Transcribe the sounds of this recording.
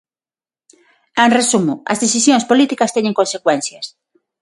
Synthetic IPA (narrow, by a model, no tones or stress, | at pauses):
ẽnresumʊɐ̰zðeθisjõŋspolit̪ikɐst̪ɛɲẽŋkonsekwɛn̟θjɐs